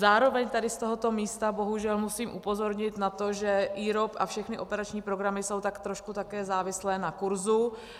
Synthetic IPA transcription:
zaːɾo̞vɛɲt̪adɪst̪oɦo̞t̪o̞miːst̪abo̞ɦuʒɛlmusiːmʔupo̞zo̞ɾɲɪt̪nat̪o̞ʒɛʔiːɾopʔafʃɛxnɪʔo̞pɛɾat͡ʃɲiːpɾoɡɾamɪso̞wt̪akt̪ɾoʃkut̪akɛːzaːvɪslɛːnakuɾzu

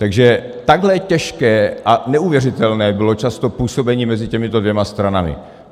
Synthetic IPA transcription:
t̪aɡʒɛt̪aɡɦlɛcɛʃkɛːʔanɛuvjɛrɪt̪ɛlnɛːbɪlo̞t͡ʃast̪o̞puːso̞bɛɲiːmɛzɪcɛmɪt̪odvjɛmast̪ɾanamɪ̰

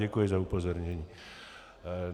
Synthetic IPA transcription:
ɛkujɛzaupozɔɾɲɛɲiː

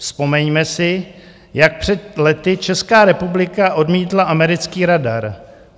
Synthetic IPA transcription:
spo̞mɛɲmɛsɪ | jak̚pr̝̥ɛt̪lɛt̪ɪt͡ʃɛskaːɾɛpublɪkaʔo̞dmiːt̪laʔamɛɾɪt͡skiːɾadaɾ

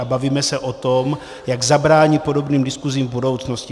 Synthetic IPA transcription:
abaviːmɛsɛʔot̪om | jaɡzabɾaːɲit̪po̞do̞bniːmdɪskuziːmvbudo̞wt͡sno̞scɪ

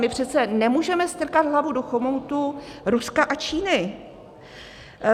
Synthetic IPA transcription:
mɪpr̝̥ɛt̪t͡sɛnɛmuːʒɛmɛst̪r̩kad̪ɦlavudoxomowt̪uɾuskaʔat͡ʃiːnɪ

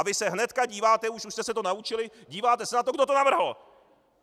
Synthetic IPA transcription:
abɪsɛɦnɛt̪kaɟiːvaːt̪ɛuʃuʃst̪ɛsɛt̪onaut͡ʃɪlɪɟiːvaːt̪ɛsɛnat̪oɡdot̪o̞navr̩ɦl̩

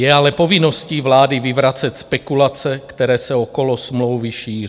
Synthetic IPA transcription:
jɛalɛpo̞vɪnosciːvlaːdɪvɪvɾat͡sɛt̪spɛkulat͡sɛkt̪ɛɾɛːsɛoko̞losmlowvɪʃiːri

